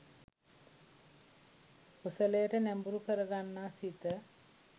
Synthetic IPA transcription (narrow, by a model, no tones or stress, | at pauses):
pusələjəʈənæmbuɾukəɾəɡanːaːsit̪ə